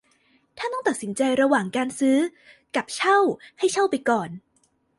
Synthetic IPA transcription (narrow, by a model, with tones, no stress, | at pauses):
t̪ʰaː˥˩ɔ˥˩t̪a˨˩t̪̚si˩˦nt͡ɕa˧jɾa˧waː˨˩ŋkaː˧nsɯː˦˥ | ka˨˩p̚t͡ɕʰa˥˩wha˥˩jt͡ɕʰa˥˩wpa˧jkɔː˨˩n